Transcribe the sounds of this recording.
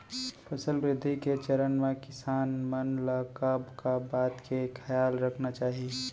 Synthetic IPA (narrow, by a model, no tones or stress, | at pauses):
pʰɐsəlbɾɪd̪ʱːiket͡ʃəɾənmẽkɪsaːnmənlaːkaːbkabaːt̪kekʰɐjaːlɾɐkʰnat͡ʃaːɦie